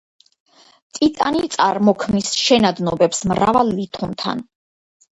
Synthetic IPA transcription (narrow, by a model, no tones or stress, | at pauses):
t̪ʼit̪ʼanit̪sʼaɾmɔkʰmnisʃɛnad̪nɔbɛpsmɾa̰valˠːit̪ʰunt̪ʰa̰n